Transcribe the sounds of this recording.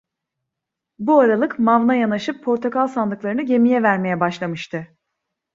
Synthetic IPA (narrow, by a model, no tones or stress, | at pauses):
buaɾalˠɯkmavnajanaʃɯpʰːo̞ɾt̪ʰokalˠsanˠɯklˠaɾɯnɯɟe̞mijɛvæɾme̞jɛbaʃlˠamɯʃt̪ʰɯ